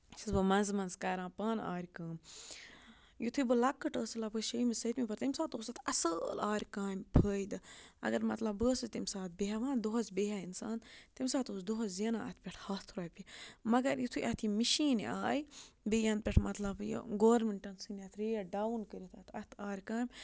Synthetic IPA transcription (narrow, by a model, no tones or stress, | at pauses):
sisbɨmɐnzmɐnzkaːɾãːpaːna̰ːɾʲkaːm | jut̪ʰubɨlɐkːɨʈəːsɨlapʰəʃəjmisɐt̪ʲmipɐɾt̪imʲsaːt̪oːsɐt̪ʰɐsəlaːɾʲkaːmʲpʰəːjd̪ɨɐ̰ɡɐɾmɐt̪lɐbbəːsɨzʲt̪imsaːt̪̚ʰbeɦaʋãːnd̪oɦɐzbeɦaːinsa̰ːnt̪imʲsaːt̪oːsd̪oɦɐzzɐnãːɐ̰t̪ʰʲpʲeʈʰhɐːt̪ʰɾaːpʲimɐɡɐɾjit̪ʰujʔɐt̪ʰimiʃiːnaːjbijɐ̃n̚pʲɛʈʰmɐt̪lɐbj̰ɡoːɾmiɳʈɐnsɨnʲɐt̪ʰɾejaɖaːwnkəɾʲit̪ʰɐt̪ʰɐt̪ʰaːɾʲkaːmʲ